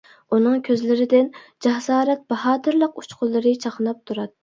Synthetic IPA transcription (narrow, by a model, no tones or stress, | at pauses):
unɨŋkʲʰøzlɪɾɪd̪ɪnd͡ʒɑhsɑːɾɛt̪̚bɑɦɑːt̪ʰɨɾlˠəqut͡ʃqʰʊlˠːɨɾɨt͡ʃʰɑqnɑp̚t̪ʰuɾɑt̪ː